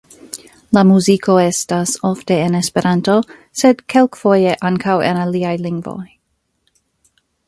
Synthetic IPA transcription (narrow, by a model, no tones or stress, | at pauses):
lamuzikʰo̞e̞stasofte̞ːnespe̞ɾʔanto̞ | sedkʰelkfo̞jeʔaŋkʰawḛnaliajliŋɡvo̞̰j